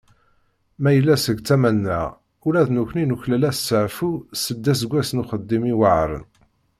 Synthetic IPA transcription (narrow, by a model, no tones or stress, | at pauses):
mæjəlːæsəɡt͡sːæmænːə̰ʁ | ʊɾæðnuçʷninuçlælæssəʕfusəd̪ːæs̬əɡʷːæsnuχəd̪ːimiwəʕɾˤə̰n